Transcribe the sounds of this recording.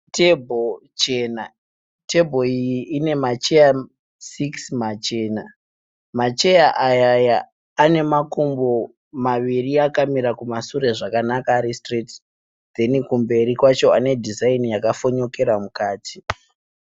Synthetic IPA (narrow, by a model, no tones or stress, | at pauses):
tebʱot͡ʃe̞ːna | te̞bʱo̞ijiʔine̞mat͡ʃe̞ja | siksmat͡ʃe̞ːna | mat͡ʃe̞jaʔajajaː | ne̞makumbo̞ | maʋiriakamiɾakumasure̞ʐakanakaɾistrit | d̪e̞nikumbe̞ɾikwat͡ʃo̞ane̞dʱizainijakafo̞ɲo̞ke̞ɾamukaːtʰi̥